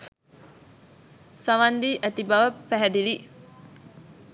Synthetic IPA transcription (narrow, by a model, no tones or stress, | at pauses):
saʋand̪iːʔæt̪ibaʋəpæɦɛd̪ili